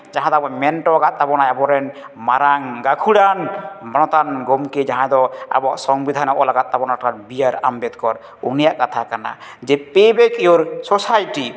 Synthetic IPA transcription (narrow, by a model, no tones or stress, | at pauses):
d͡ʒaɦãd̪ɔabɔmɛnʈɔɡat̪̚ːabɔnajabɔɾɛn | maɾaŋɡakʰuɽanbɔnɔt̪anɡɔmked͡ʒaɦãd̪ɔa̰bɔʔsɔŋbid̪ʱanɔʔɔlaɡat̪̚ːabɔnakaɾbijaɾa̰mbɛt̪kɔɾ | unijaʔkat̪ʰakana̰d͡ʒɛpebekijoɾsɔsajʈi